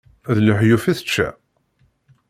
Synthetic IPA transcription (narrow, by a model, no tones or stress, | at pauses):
ðləħjufiθə̥t͡ʃːæ̰